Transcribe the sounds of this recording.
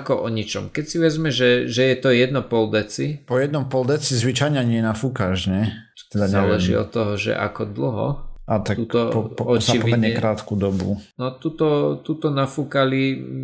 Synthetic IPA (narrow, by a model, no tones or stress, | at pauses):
akɔʔɔɲit͡ʃɔmkɛcsiʋɛzmɛʒɛʒɛjɛt̪ɔjɛd̪̚nɔpɔld̪ɛt͡sipɔjɛd̪nɔmpɔld̪ɛt͡sizʋit͡ʃajɲaɲɪɛjɛnafukaʒɲɛt̪ḁk̚t̪ɛd̪azɲaːlɛʒḭɔ̰t̪ːɔɦɔʒɛ̰ʔa̰kɔd̪l̩ɦɔ̰ʔat̪ak̪uːt̪ɔɔɔt͡ʃaipɔimɛɲɛkɾaːt̪kud̪ɔbṵnɔt̪uːt̪ɔt̪uːt̪ɔnafukali